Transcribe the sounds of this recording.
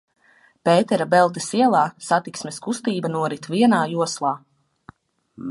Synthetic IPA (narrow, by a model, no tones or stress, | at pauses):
peːt̪ɛɾabɛlˠt̪̬esiɛlˠaːsat̪iksmeskust̪iːbanuɔɾit̪viɛnaːjuɔslˠaː